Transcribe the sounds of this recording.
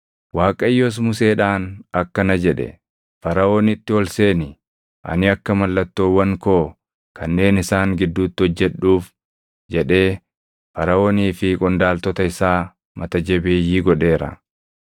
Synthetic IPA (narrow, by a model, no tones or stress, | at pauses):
waːkʼɐjːos̬mʊse̞ːᶑaːnɐkːɐnɐd͡ʒɛᶑɛ̰ | fɐɾɐoːnɪt̪ːɪɔlseːnɪ | ʔɐ̰nɪɐkːɐmɐlːɐt̪ːoːwːɐŋkoː | kɐnːe̞ːnɪsaːŋɡɪd̪ːuːt̪ːɪɔd͡ʒːɛɗuːf | d͡ʒɛᶑe̞ː | fɐɾɐoːniːfɪkʼɔnd̪aːlt̪ɔt̪ɐɪsaː | mʔɐt̪ɐd͡ʒɛbeːjːiːɡɔᶑe̞ːɾɐ̰